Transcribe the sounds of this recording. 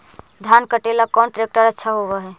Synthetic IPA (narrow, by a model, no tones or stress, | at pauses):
d̪ʱjankəʈelakɔːnʈɾek̚ʈəɾətːʃʰaɦoʋaɦɛ